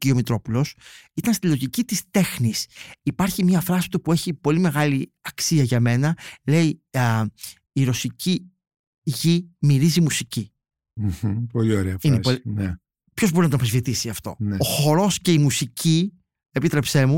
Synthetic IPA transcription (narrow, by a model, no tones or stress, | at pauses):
iomit̪ɾo̞pulo̞sit̪ɐnst̪ilo̞ʝicit̪ist̪e̞xnisipɐɾçimɲɐfɾɐsi̥t̪upue̞çipo̞lime̞ɣɐli | ɐksiɐʝɐme̞nɐle̞i | ɾo̞sicʰi | ʝimiɾizimusici | m̩hpolioɾeɐfinepoln | pço̞zboinɐt̪opɾezvit̪isiɐft̪o̞̰neoxo̞ɾo̞sce̞imusicʰi | e̞pit̪ɾe̞pse̞mu